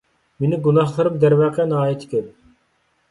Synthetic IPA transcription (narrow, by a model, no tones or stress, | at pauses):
menɪɡunɑχlˠɨɾɨmd̪æɾwæːqʰɛnɑːjit̪ʰɪ̥kʲʰɛl